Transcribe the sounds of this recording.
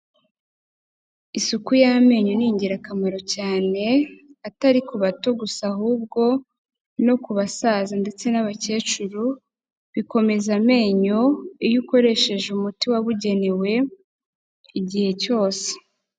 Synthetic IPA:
isukujame̞ːɲo̞niːɲɟiɾakamaɾo̞caːne̞ataɾikuβatoɡusahuːb̚ɡo̞ | no̞kuβasaːzande̞t͡se̞naβace̞ːt͡ʃuɾu | βiko̞me̞zame̞ːɲo̞ijuko̞ɾe̞ʃe̞ʒeumutiwaβuɟe̞newe̞ | iɟihe̞co̞ːse̥

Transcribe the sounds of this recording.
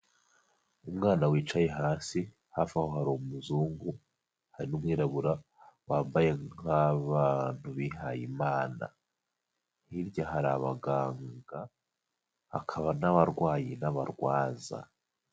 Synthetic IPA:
umŋaːnawiːt͡ʃaje̞ɦaːsi | hafahohaɾomuzuːŋɡu | haɾinumwiːɾaβuɾa | waːmbaje̞ŋaβan̥huβihajimaːna̰ | hiɾɟaɦaɾaβa̰ɡaːŋɡa | a̰kʰaβanaβaɾɡwaːjinaβa̰ɾɡwaːza̰

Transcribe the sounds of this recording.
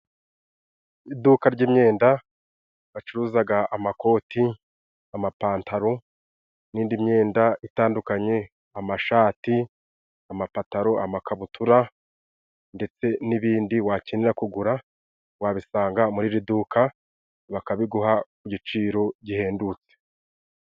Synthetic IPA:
idukaɾɟiːmɲe̞ːnda | βat͡ʃuɾuːzaɡaʔːmako̞ːti | amapaːntʰaɾo̞ | niːndimɲe̞ːndaitaːndukaɲe̞ | amaʃaːti | amapataɾo̞ʔamakaβutʰuɾa | nde̞t͡se̞niβiːndiwaciniɾakuɡuɾa | waβisaːŋɡamuɾiɾiduːkʰa | βakaβiɡuɦakuɟit͡ʃiːɾo̞ɟihe̞ːndut͡se

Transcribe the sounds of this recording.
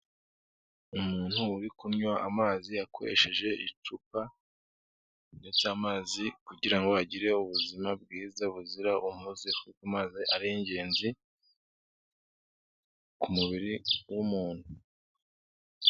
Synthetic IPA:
umuːn̥huːɾikumɲwaʔamaːziakʰo̞̰ɾe̞̰ʃe̞ʒe̞ʔḭt͡ʃupa | nde̞t͡samaːzikuɟiɾaŋɡo̞aɟiɾe̞uβuzimab̚ɡiːzaβuziɾaʔumuzefukumaziʔaɾieɲɟe̞ːnzi | kumuβiɾiwumuːn̥hu

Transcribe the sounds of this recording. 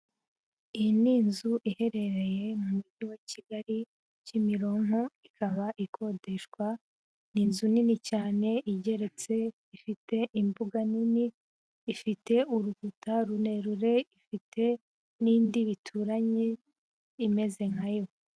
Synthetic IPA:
ijiniːnzuʔihe̞ɾe̞ɾe̞je̞mumuɟiweciɡaɾi | cimiɾo̞ŋuikʰaβaʔikʰo̞de̞ʃkwa | niːnzuninicaːne̞ʔiɟe̞ɾe̞t͡se̞ | ifite̞ʔimbuɡaniniː | fite̞ʔuɾuɡutaɾune̞ɾuɾe̞ifitʰe̞ | niːndiβitʰuɾaɲe | ime̞ze̞ŋ̥hajo̞

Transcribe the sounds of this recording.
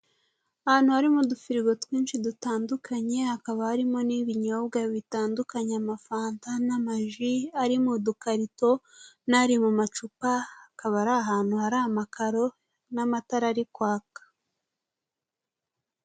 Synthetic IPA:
ahaːn̥huhaɾimudufiɾiɡo̞twiːnʃidutaːndukʰaɲe̞hakaβahaɾimo̞niβiɲoβɡaβitaːndukaɲeamafaːntanamaʒiaɾimudukaɾito̞ | naɾimumat͡ʃupahakaβaɾaɦaːnhuhaɾamakaɾo̞ | namataɾaɾikwaːkḁ

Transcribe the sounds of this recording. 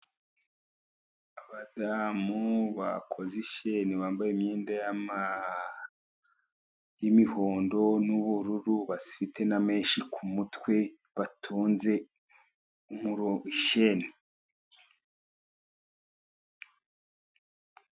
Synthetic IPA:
aβadamuβakʰo̞ziʃeneβaːmbajemɲeːndajama | jimihoːndo̞nuβuɾuɾuβasiβitʰe̞name̞ːnʃikʰumutwe̞ | βatʰuːnze̞ | umuɾoiʃene

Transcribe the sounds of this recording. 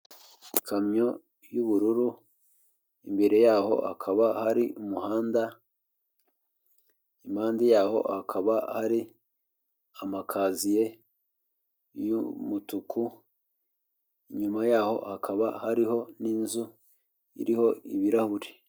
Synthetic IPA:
ikʰamɲo̞ | juβuɾuɾu | imbe̞ɾe̞jaːho̞̰hakʰaβahaɾiumuhaːnda | imaːndijaːho̞̰hakʰaβahaɾi | amakʰaːzije̞ | jumutukʰu | iɲumajaːho̞̰hakʰaβahaɾiɦo̞niːnzu | ḭɾiho̞iβiɾahuɾe

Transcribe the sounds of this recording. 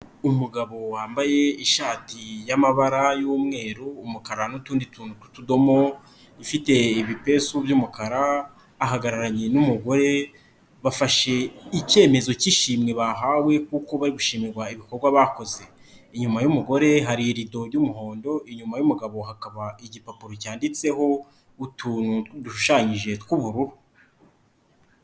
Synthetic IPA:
umuɡaβo̞waːmbaje̞iʃaːtijamaβaɾajuːmŋe̞ːɾuːmukaɾanutuːndituːnutu̥tudo̞mo̞ | ifite̞iβipe̞subjuːmukaɾaː | ɦaɡaɾaɾaɲe̞numuɡo̞ɾe̞ | βafaʃe̞ice̞ːme̞zo̞ciʃiːmŋe̞βaɦawe̞kuko̞βaɾiɡuʃiːmiɾɡwaiβiko̞ɾɡwaβako̞ze̞ | iɲumajumuɡo̞ɾe̞ɦaɾiɾido̞ɾɟumuɦo̞ːndo̞iɲumajumuɡaβo̞ɦakaβaiɟipapuɾocaːndit͡se̞ho̞ | utʰuːnuduʃuʃaːɲiʒe̞tkuβuɾuhu

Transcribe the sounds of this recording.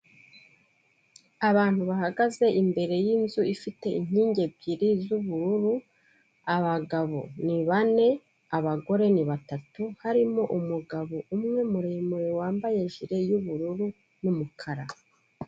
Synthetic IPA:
aβaːn̥huβahaɡaze̞ʔimbe̞ɾe̞jiːnzuifite̞iɲ̥iːɲɟe̞b̚ɟiɾizuβuɾuɾu | aβaɡaβo̰niβane̞ | aβaɡo̞ɾe̞niβatatuhaɾimo̞ʔumuɡaβoʔumŋe̞muɾemuɾewaːmbaje̞ʒiɾe̞juβuɾuɾu | numukʰaɾa

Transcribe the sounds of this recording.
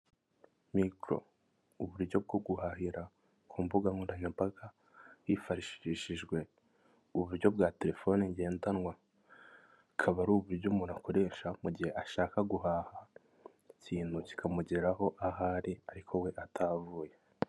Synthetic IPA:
mikɾo̞̰ | uβuɾjo̞b̚ɡo̞b̚ɡuhaɦiɾa | kʰuːmbuɡaŋuɾaɲampaɡa | jifaɾiʃiʃiʒɡwe̞ | uβuɾɟo̞bɡaːte̞ɾe̞fo̞niɲɟe̞ːntanwa | kʰaβaɾuːβuɾɟomuɾakʰoɾe̞ʃamuɟihe̞ʔaʃaːkaɡuhaha | ciːnhuci̥kʰamuɟeɾaɦo̞ʔaɦaːɾiaɾikʰo̞we̞ʔatʰavuːje̞

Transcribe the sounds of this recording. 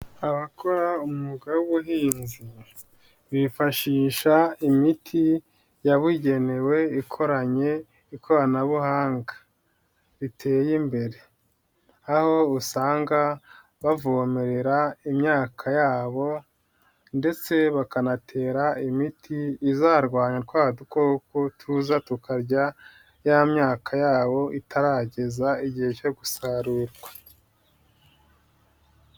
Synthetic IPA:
aβakʰo̞ɾaumuɡawuβuɦiːnzi | βifaʃiːʃaimitʰi | jaβiɟe̞ne̞we̞ikʰo̞ɾaɲe̞ | ikʰoɾanaβuhaːŋɡḁ | βitʰe̞ːjimbe̞ɾe̞ | aho̞usaːŋɡa | βavomeɾe̞ɾaimɲaːkʰajaːβo̞ | nde̞t͡se̞βakanatʰe̞ːɾaimitʰiːzaːɾɡwaːɲatɡwaːduko̞ːkotʰuzatukaɾɟa | jamɲaːkʰajaːβo̞ʔitʰaɾaɟe̞zaiɟihe̞co̞ɡusaɾuɾɡwḁ

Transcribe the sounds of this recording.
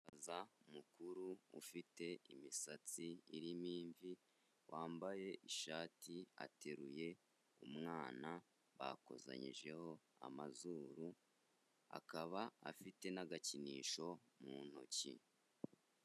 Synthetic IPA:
azaumukuɾuṵfite̞imisat͡siːɾimiːɱvi | wʔaːmbaje̞ʔiʃaːtʰia̰te̞ɾuje̞ | umŋaːna | βa̰ko̞̰za̰ɲḭʒe̞ho̞a̰mazuːɾu | a̰kaβaa̰fite̞naɡaciniːʃo̞ | mun̥o̰cḭ

